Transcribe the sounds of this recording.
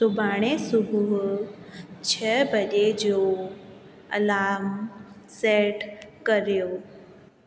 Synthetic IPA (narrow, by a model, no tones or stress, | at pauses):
sʊbʱaːɽ̃esʊbʱuɦ | t͡ɕʰəbəd͡ʒed͡ʒo | ɐ̰laːm | seʈkəɾjoː